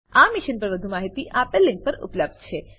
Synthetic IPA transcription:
amiʃənpəɾʋəd̪ʱumaɦit̪iʔapelːɪ̃ŋk̚pəɾṵpləb̚d̪̚t͡ʃʰe

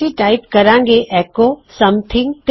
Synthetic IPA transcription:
iʈaːɪpkɐɾãːŋɡeʔɛːkosɐmt̪ʰɪ̃ŋɡt̪

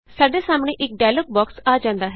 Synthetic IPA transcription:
saːɖeːsaːmɳ̃ẽːʔɪk̚ɖaːlək̚bɔːksaːd͡ʒãːnd̪aːɦɛ

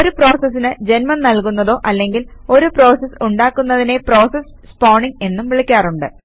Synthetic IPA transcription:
oɾupro̞ːsɐs̬ːinɨd͡ʑe̞nmɐnnɐlkunːɐðo̞ːʔɐlːe̞ŋɡilo̞ɾupro̞ːsɐsuɳɖaːkːunːɐðine̞pro̞ːsɐs | spoːɳiŋe̞nːumʋiɭikʲːaːruɳɖɨ

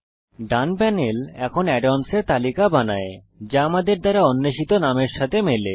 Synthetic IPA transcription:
ɖanpɛnelɛkʰonɛɖʋanseɾt̪alikabanae | d͡ʑaamad̪eɾd̪aɾaonːeʃit̪onameɾʃat̪ʰemele

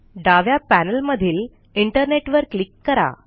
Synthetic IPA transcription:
ɖaʋjapænəlməd̪ʱiːl | iɳʈəɾneʈʋəɾklikːəɾa̰

